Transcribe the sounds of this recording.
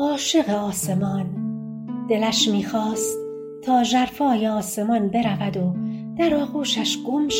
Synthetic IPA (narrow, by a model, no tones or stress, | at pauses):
ɒːʃe̞ɣe̞ɒːse̞mɒːn | d̪̥e̞læʃmiːxɒːst | t̪ʰːɒːʒæɾfɒːjeɒːse̞mɒnbe̞ɾævæd̪od̪̥æɾɒːɣuːʃæʃɡ̥omʃ